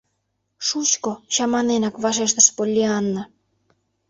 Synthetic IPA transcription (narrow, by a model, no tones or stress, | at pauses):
ʃut͡ɕkoɕɑmɑnenɑkβɑʃ̬eʃt̪ə̆ʃpolʲːiɑnːɑ